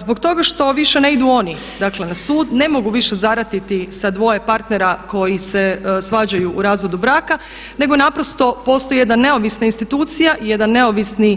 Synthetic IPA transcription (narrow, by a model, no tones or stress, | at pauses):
zbo̞kt̪o̞ɡaʃt̪o̞ʋiʃe̞neid̪uo̞ni | d̪akle̞nasuːd̪ne̞mo̞ɡuʋiʃe̞zaɾat̪it̪isad̪ʋo̞je̞paɾt̪ne̞ɾako̞jisesʋaːd͡ʑajuʔuɾaːzʋo̞d̪ubɾaːka | ne̞ɡo̞napɾo̞st̪o̞po̞ːst̪o̞jijed̪anːe̞o̞ʋisnainst̪it̪uːt̪sijaʔije̞d̪anːe̞o̞ʋisni